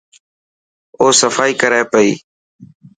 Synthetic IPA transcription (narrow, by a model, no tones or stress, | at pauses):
oːsəfaːiːkəɾaːepəḭː